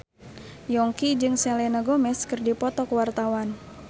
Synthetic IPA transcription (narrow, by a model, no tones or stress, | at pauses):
jɔŋkid͡ʒɨŋsɛlɛnaɡomɛskɨrdipɔt̪ɔkəwart̪awan